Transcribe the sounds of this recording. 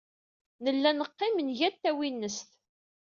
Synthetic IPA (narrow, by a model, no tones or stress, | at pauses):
nəlːænəqːɪmənʝæt̪ːæwinːəst̪